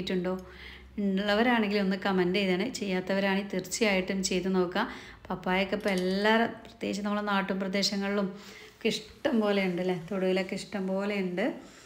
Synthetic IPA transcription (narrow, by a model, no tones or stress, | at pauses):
tːuɳɖo̞ː | iɭːɐʋɐɾaːɳeŋɡilo̞nːɨkɐmɐndeiðɐːɳɨt͡ɕe̞jːaːt̪ːɐʋɐɾaːɳit̪irt͡ɕːijaːjiʈːumt͡ɕe̞jt̪ːuno̞ːkːa | pɐpːaːjɐkːepːoelːaːrprɐ̥t̪jeːɕ̬ɐnɐmːuɭːɐnaːʈːumprɐd̪e̞ːɕɐŋːɐɭiɭum | kiʂʈːɐmpo̞ːle̞juɳɖɐlːɐt̪oɽuɣilɐkːiʂʈɐmpo̞ːle̞juɳɖɨ